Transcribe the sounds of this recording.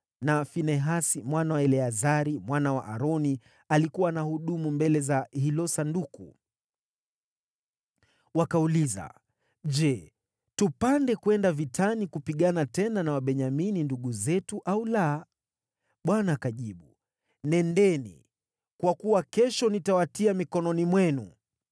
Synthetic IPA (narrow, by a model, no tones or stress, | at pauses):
nafinɛɦasimwanawaɛlɛazaɾimwanawaʔaɾɔni | alikuwanahuɗumumbɛlɛzahilɔsandukṵ | wakauliza̰ | ʄɛ | tupandɛkuɛndavitʰanikupiɠanatɛnanawaɓɛɲamininduɠuzɛtuʔaula | ɓwanaːkaʄiɓu | nɛndɛnḭ | kwakuwakɛʃɔnitawatiamikɔnɔnimwɛnṵ